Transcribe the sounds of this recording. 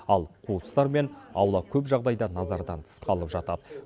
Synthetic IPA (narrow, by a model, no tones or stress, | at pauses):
ɑlˠqʰut̪ə̥st̪ɑɾme̞nɑwlˠɑkʲʰɵpʒɑʁd̪ɑjd̪ɑnɑzɑɾd̪ɑnt̪ʰə̥sqɑlˠəpʒɑt̪ɑd̪ə